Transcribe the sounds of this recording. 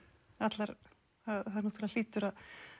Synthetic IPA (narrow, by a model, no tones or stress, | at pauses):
at̪laɾ | aðhaðɾnɔht̪ːlal̥iːt̪ʏɾað